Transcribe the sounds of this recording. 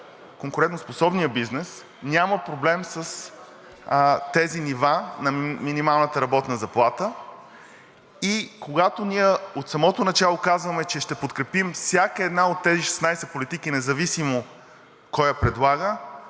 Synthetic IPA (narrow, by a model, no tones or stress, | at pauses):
koŋkʊɾɛnt̪nosposɔbnijəbiznɛs | nʲaməpɾoblɛmsəs | t̪ɛzinivanɐminimalˠnət̪əɾɐbɔt̪nəzɐplˠat̪ə | ikoɡat̪oniɛot̪sɐmɔt̪onɐt͡ʃalˠokazvəmɛt͡ʃɛʃt̪ɛpot̪kɾɛpimfsʲjakəɛd̪naot̪ːɛziʃɛ̥snajsɛpolit̪ik̟inɛzɐvisimo | kɔjəpɾɛd̪lˠaɡə